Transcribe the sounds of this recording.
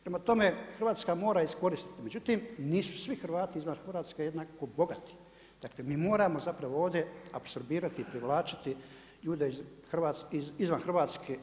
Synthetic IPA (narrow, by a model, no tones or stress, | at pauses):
pɾemat̪o̞mexɾrʋaːt̪skamo̞ːɾaisko̞ɾist̪i̥t̪ime̞d͡ʑut̪imniːsu̥sʋixr̩ʋaːt̪iizʋanxr̩ʋaːt̪skejed̪nako̞bo̞ɡat̪i̥ | d̥̪aklemiːmo̞ːɾamo̞zapɾaʋooːʋd̪je̞abso̞ɾbiːɾat̪iːpɾiʋlˠaːt͡ʃḁt̪i | ʎuːd̪e̞izxrʋaːt̪sizizʋanxɾr̩ʋaːt̪skʰe